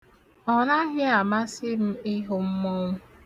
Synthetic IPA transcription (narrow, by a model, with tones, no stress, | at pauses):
ɔ˨na˦ɣɪ˦a˨ma˦sɪ˦m̩˦ɪ˦ɦo˨m̩˦mɔ˦ŋʷʊ˦